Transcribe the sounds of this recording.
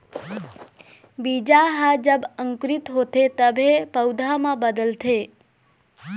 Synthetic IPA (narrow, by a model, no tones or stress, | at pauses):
bid͡ʒaɦad͡ʒəbəŋkɾit̪ɦot̪ʰet̪əbʱepəwd̪ʱamãbəd̪əlt̪ʰe